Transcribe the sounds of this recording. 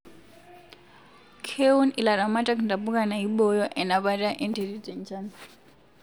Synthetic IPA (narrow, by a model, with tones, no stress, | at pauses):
kʰe˦u˦ni˨la˨ɾa˨ma˦tʼa˦kʰnda˨pu˦kʼa˨na˨i˦ɓɔ˦jɔ˦ʔɛ˨na˨βa˦tʼa˦ʔɛ˦ntʰɛ˨di˦dɛ˨nt͡ʃa˦n